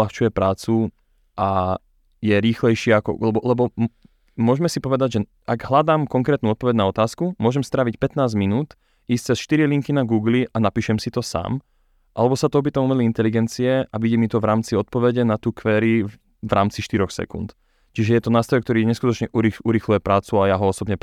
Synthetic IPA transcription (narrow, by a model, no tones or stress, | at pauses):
laxt͡ʃujɛpɾaːt͡su | ʔa | jɛɾiːxlɛjʃɪɛakɔ̰lɛbɔlɛbɔm | mʊɔʒmɛsipɔʋɛd̪aɟʒɛ | ʔaɡɦlad̪aːmkɔŋkɾɛːt̪nuɔt̪pɔʋɛɟnaɔt̪aːskumʊɔʒɛmst̪ɾaːʋicpɛt̪naːzminuːt̪ | iːst͡sɛsʃt̪iɾiliŋkinaɡuːɡliʔanapiːʃɛmsit̪ɔsa̰ːm | ʔalɛbɔsat̪ɔɔp̬iːt̪amumɛliint̪ɛliɡɛnt͡siɛʔaʋiɟɛmit̪ɔʋɾaːmt͡siɔt̪̚pɔʋɛɟɛnat̪uːkʋɛːɾi | ʋɾa̰ːmt͡siʃt̪iɾɔxsɛ̰kṵnt̪ | t͡ʃiʒɛjɛt̪ɔnaːst̪ɾɔjkt̪ɔɾiːɲɛskut̪ɔt͡ʃɲɛʔuɾiuɾixlujɛpɾaːt͡suajaɦɔɔsɔbɲɛ